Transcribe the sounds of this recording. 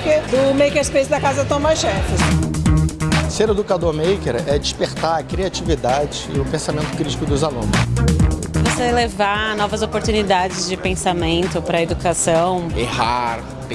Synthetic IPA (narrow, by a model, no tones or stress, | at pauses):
ked̪ʊmejkeɾspezd̪ɐkazɐt̪õmaʃɛfɪs | seɾed̪ukad̪oɾmejkeɾɛd͡ʒispeɾt̪aɾɐkɾiat͡ʃivid̪ad͡ʒɪɪ̰ʊpẽsamẽnt̪ʊ̥kɾit͡ʃi̥kʊd̪ʊzalṵ̃nʊs | voselevanɔvɐzopoɾt̪unid̪ad͡ʒɪzd͡ʒɪpẽsamẽnt̪ʊpɾɐed̪ukasɐ̃w̃ehaɾ